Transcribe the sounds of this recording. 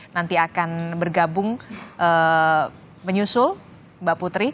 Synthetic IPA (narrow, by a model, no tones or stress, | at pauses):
nant̪iakanbərɡabʊŋʔə | məɲusʊl | baʔput̪ɾi